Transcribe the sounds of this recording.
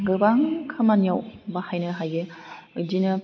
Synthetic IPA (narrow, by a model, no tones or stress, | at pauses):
ɡɯbaŋkʰɯmanijawbahajnɯɦajɡeɯdinɯ